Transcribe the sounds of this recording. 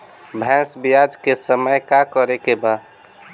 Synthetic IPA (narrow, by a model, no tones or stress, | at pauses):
bʱɛ̃sbijad͡ʒkesəməjkakəɾekeba